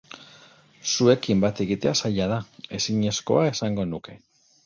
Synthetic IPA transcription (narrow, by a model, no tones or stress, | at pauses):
sue̞kimbat̪e̞ɣit̪e̞asaʎað̞ae̞siɲe̞sko̞̰ae̞saŋɡo̞nuke̞